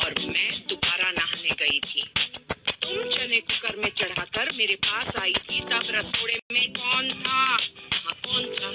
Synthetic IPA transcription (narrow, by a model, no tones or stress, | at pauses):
ɔːɾmɛ̃ːt̪ʊbaːɾanaɦneɡɐit̪ʰḭːt̪oːɾʊt͡ʃənẽkʊkəɾmẽt͡ʃɐɽ̤akɐɾmeːɾepaːsaːit̪ʰit̪ɐbɾɐsoːɽemẽkɔːnt̪ʰaãkɔːnt̪ʰaː